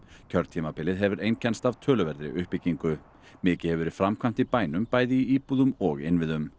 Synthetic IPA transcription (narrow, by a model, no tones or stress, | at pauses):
cʰœɾt̪t̪ʰimapɪlɪðɦɛvʏɾejncʰɛnst̪av̥t̪ʰœːlʏvɛɾðɾɪ̰ʔʏhpɪcːiŋkʏ | mɪːcɪhɛvɛɾɪ̥fɾamkʰvam̥t̪ipaːjnʏmpaːjðɪiiːpuðʏmɔɣɪ̰nvɪðʏm